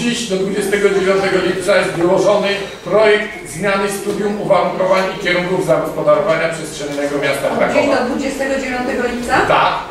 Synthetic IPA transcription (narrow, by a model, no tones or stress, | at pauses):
iɕd̪ɔd̪vud͡ʑɛst̪ɛɡɔd͡ʑevʲjɔ̃nt̪ɛɡɔlʲip̚t̪sajɛst̪vɘwɔʐɔnɘpɾɔjɛkt̪zmʲjanɘst̪ud̪ʲjumuvaɾuŋkɔvaɲikʲɛɾuŋkuvzaɡɔspɔd̪aɾɔvaɲapʂɛstʂɛɲːɛɡɔmʲjast̪akɾakd͡ʑɔd̪ɔd̪vud͡ʑɛst̪ɛɡɔd͡ʑevʲjɔ̃nt̪ɛɡɔlʲip̚t̪sat̪a